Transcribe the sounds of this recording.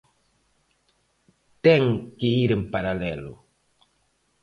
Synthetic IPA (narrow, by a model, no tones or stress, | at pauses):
tɛŋkiiɾimpaɾalelo̰